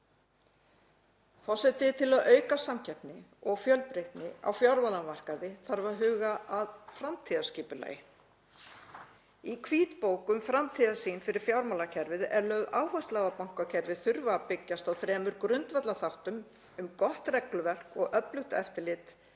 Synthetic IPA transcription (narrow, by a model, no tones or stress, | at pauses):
fɔsɛt̪ɪt̪ʰɪlaðœːɥkasamcʰɛpnɪɔɣfjœlpɾeht̪nɪa̰wfjawɾmalanmar̥kaðɪθaɾvaɾɦʏːɣaaðfɾamt̪ʰiːðascɪːpʏla̰ːjɪ | ikʰviːt̪poːwkʏmfɾamt̪ʰiːðasiːnfɪɾɪɾ̥fjawɾmalacʰɛɾvɪðɛɾlœːɣaːwhœst̪laːɣapawŋ̥kacʰɛɾvɪðθʏɾvapɪcːast̪awθɾɛːmʏɾkɾʏnt̪vɛt̪laθawht̪ʏm | ʏmkɔht̪rɛklʏvɛr̥kɔɣʔœplʏxt̪ɛ̰ft̪ɪlɪt̪